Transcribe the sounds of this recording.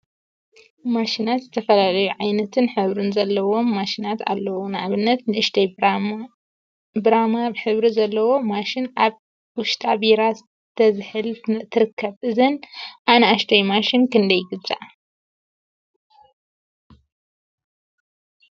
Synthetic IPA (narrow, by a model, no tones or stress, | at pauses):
maʃinat̪zɨt̪ʰɐfɐlalɐjuʕajnɐt̪ʰɨnħɨβɾɨnzɐlːɐwo̞mːaʃinat̪a̰lːɐwonɨʔaβɨnːɐt̪nɨʔɨʃt̪ʰɐj | bɨɾamaβħɨβɾizɐlːɐwo̞maʃɪnʔaβ | wʊʃt̪ʼabiɾaz | t̪ʰɐzɨħɨlt̪ʰɨɾɨkʰːɐβʔɨzɨnʔanɐaʃt̪ʰɐjmaʃɪnkɨnd̪ɐjɡɨbzʼa̰ʔ